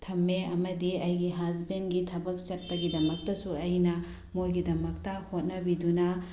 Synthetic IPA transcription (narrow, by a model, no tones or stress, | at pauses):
tʰɐmːeɐ̰mɐdiɐjɡiɦazbenɡitʰɐbɐk̚sɐt̚pɐɡidɐmɐk̚tɐsuɐjnɐ | mojɡidɐmɐk̚tɐhot̚nɐbidunɐ